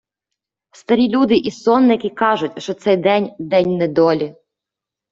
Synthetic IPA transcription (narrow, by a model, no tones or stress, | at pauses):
st̪ɐɾʲilʲud̪ɪʔisɔnːɪkʲɪkɑʒʊtʲʃt͡ʃɔt̪sɛjd̪ɛnʲd̪ɛnʲnɛd̪ɔlʲi